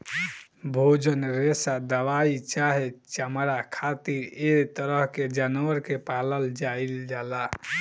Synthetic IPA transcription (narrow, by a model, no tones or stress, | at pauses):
bʱod͡ʒənɾesad̪əʋait͡ʃaɦet͡ʃamɾakʰat̪iɾet̪əɾəɦked͡ʒanwəɾkepaləld͡ʒaild͡ʒala